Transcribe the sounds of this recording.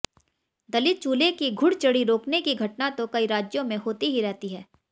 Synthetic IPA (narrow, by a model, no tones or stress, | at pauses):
d̪ɐlɪt̪̚t͡ʃuːlekiɡʱʊɽt͡ʃɐɽiɾoːknekiɡʱɐʈnat̪okɐiɾaːd͡ʒjõmẽɦoːt̪iɦiɾɛɦt̪iɦɛː